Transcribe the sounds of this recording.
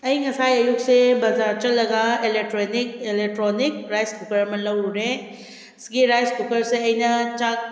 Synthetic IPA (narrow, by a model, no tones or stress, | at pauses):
ɐjŋɐsajɐjuk̚sebɐzaɾt͡ʃɐlːɐɡaelek̚ʈɾonik̚elek̚ʈɾonik̚ɾajskukɐɾɐmɐnlɐwɾuɾe | sɡiɾajskukɐɾseɐjnɐt͡ʃa